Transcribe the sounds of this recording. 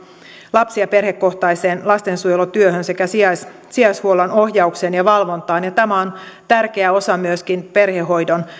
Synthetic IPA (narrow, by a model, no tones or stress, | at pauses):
lɑpsiɑpe̞rhe̞kːo̞ht̪ɑjse̞ːnlɑst̪e̞nsujelut̪yøhønsekæsiɑs | siɑshuolɑno̞hjɑukseːnjɑʋɑlʋo̞nt̪ɑːnjɑt̪æmæont̪ærkeæo̞sɑmyøskinpe̞rheɦo̞jdo̞n